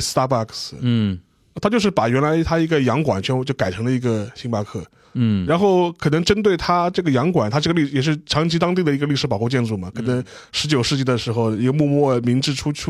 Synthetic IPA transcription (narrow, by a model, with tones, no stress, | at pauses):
st̪a˥pa˥˩ks̩˧˩˧ | t̪ʰa˥t͡ɕjʂɻ̩˥˩pa˨˩ɥɛ˧˥nla˧˥ɪt̪ʰa˥i˧˥ɡə˧jɑ˧˥ŋkwa̰˨˩nt͡ɕʰɥɛ˧˥n˧˥t͡ɕjo˥˩ʊka˨˩ɪʈ͡ʂʰɤ˧˥ŋlə˧i˧˥ɡə˧ɕi˧˥ŋpa˧˥kʰɤ˥˩ | ɻa˧˥nxo˥˩ʊkʰɤ˨˩nɤ˧˥ŋʈ͡ʂə˥nt̪we˥˩ɪt̪ʰa˥ʈ͡ʂɤ˥˩ɡə˩jɑ˧˥ŋkwa˨˩nt̪ʰa˥ʈ͡ʂɤ˥˩ɡə˧li˥˩˧jɛ˨˩ʂ̬ɻ̩˥˩ʈ͡ʂʰɑ˧˥ŋt͡ɕʰi˥t̪ɑ˥ŋt̪̬i˥˩d̪ə˩i˧˥ɡə˧li˥˩ʂɻ̩˧˥pɑ˨˩ʊxu˧t͡ɕjɛ˥˧nʈ͡ʂu˥˩mɐ˩kʰɤ˨˩nə˧˥ŋ | ʂɻ̩˧˥t͡ɕjo˨˩ʊʂɻ̩˥˧t͡ɕi˥˩d̪ə˩ʂɻ̩˧˥xo˥˧ʊi˧˥ɡə˧mwu˥˧mwɔ˥˩mi˧˥ŋʈ͡ʂɻ̩˥˧ʈ͡ʂʰu˥